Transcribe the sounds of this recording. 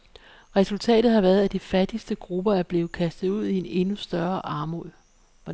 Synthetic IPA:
ʁɛsult͡sʰɛ̰ːd̥ð̩ˠhɑ̈ʋæɐð̩ˠæd̥ifæd̥isd̥əɡ̥ʁub̥ɐæɐb̥le̝ːkʰæsd̥ð̩ˠuð̞̰ˠiene̝nusd̥ɶɐʔɑ̈ːmoðˠ | ɒ

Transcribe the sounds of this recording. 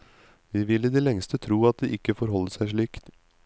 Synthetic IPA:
ʋiːʋɪlːɪd̪iːlɛŋst̪ət̪ʰɾuːɑt̪̚d̪iːʔɪkːəfɔɾɦɔlːəʂæɪʂɭiːkt̪

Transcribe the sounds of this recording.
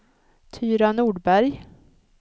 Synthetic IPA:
t̪ʰyːɾanuːɖbæɾj

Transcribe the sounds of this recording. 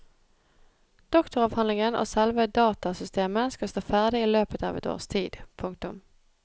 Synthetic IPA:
d̪̥ɔkt̪ʊʁɑʋhɑnlɪŋənʔo̰ːsɛlʋəd̪ɑːt̪ɑsʏst̪eːməskɑst̪oːfæʁd̪ɪiːløːpət̪ɑ̰ːʋɛ̰t̪o̰ːʁst̪ʰiːd̪pʰʊŋkt̪ʊm

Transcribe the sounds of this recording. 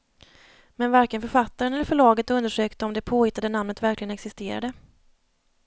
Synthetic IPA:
mɛnvaɾkənfœɾfat̪ːaɾənɛlːəɾfœɭɑːɡət̪ɵnd̪əʂøːkt̪əɔmd̪ɛpʰoːhɪt̪ːad̪ənamnət̪væɾklɪɡənɛksɪst̪eːɾa̰d̪ə

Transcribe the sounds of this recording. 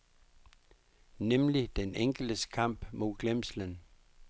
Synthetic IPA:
nemlid̥eneŋ̰ɡ̥l̩d̥əskʰɑ̈m̰b̥mo̝ɡ̥lemslən

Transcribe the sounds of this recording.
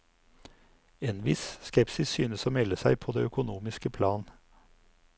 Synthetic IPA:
eːnʋɪsskɛpsɪssyːnəsoːmɛləsæɪpʰoːd̪ḛːœkʊnuːmɪskəpʰlɑːn

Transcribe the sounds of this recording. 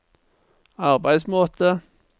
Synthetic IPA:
ɑʁbæɪsmoːt̪ʰə

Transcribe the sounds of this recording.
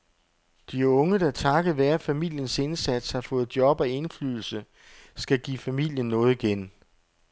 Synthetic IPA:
d̥iɔ̽ŋəd̥ɑ̈t͡sʰɑ̈ɡ̥əðˠʋæɐfæmil̰jənse̝nsæd̥shɑ̈fɔ̽ːð̞̩ˠd̥jɒ̽b̥ɒe̝nfly̰ːðˠl̩sə | sɡ̥æɡ̥ḭːfæmil̰jənːɔ̽ːð̞̩ˠiɡ̥en

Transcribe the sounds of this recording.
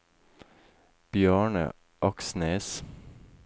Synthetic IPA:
b̥jøːɳə̰ | ʔɑksneːs

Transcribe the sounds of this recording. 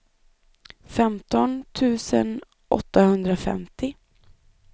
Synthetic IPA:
fɛmt̪ɔnt̪ʰʉ̟ːsə̰n | ʔɔ̰t̪ːahɵnd̪ɾafɛ̰mt̪ʰɪ

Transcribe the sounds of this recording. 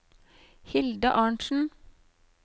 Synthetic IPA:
hɪld̪ə̰ʔɑːɳʃn̩

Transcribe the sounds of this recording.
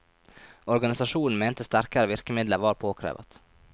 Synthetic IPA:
ɔɾɡɑnɪsɑʃuːnn̩meːnt̪əst̪æɾkɑɾəʋɪɾkəmɪd̪ləʋɑːɾpʰoːkʰɾḛːʋɑ̰t̪

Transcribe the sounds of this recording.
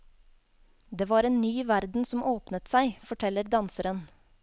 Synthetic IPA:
d̪eːʋɑːɾeːnnyːʋæɾd̪n̩sɔm̩ʔoːpnət̪sæɪfɔʈʰɛləɾd̪ɑnsəɾən

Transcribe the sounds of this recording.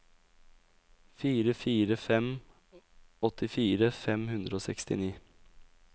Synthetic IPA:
fiːɾəfiːɾəfɛm | ɔt̪ʰɪfiːɾəfɛmhʉnd̪ɾəoːsɛkst̪ɪ̰niː

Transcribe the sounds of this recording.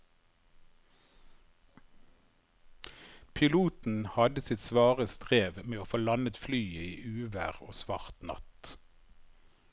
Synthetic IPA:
pʰɪluːt̪n̩hɑd̪əsɪt̪sʋɑːʁəst̪ʁeːʋmeːoːfoːlɑnət̪flyːəiːʔʉːʋæ̰ːʁo̰ːsʋɑ̰ʁt̪nɑ̰t̪

